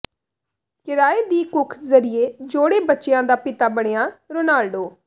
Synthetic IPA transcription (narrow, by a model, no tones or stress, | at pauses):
kɪɾaːeːd̪iːkʊkʰzəɾɪeːd͡ʒoːɽeːbətːt͡ʃɪjãːd̪aːpɪt̪aːbəɽ̃ejãːɾoːnaːlɖoː